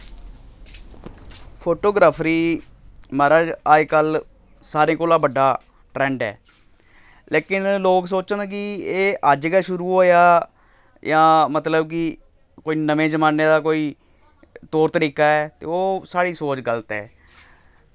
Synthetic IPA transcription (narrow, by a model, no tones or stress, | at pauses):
pʰoːʈoːɡɾaːpʰɾiː | məːɾaːd͡ʒaːikəl | saːɾẽːkoːlãːbəɖːaː | ʈɾɛ̃ːɳɖɛ̰ː | leːkɪnloːks̬oːt͡ʃənkɪeːʔəd͡ʒɡaːʃʊɾuːɦoːjaː | jãːmət̪ləb̚k̬ɪ | koːiːnəmẽːd͡ʒəmaːneːd̪aːkoːiː | t̪oːɾt̪əɾiːkaːɛːt̪eːoːsaːɽiːsoːt͡ʃɡəlt̪ɛː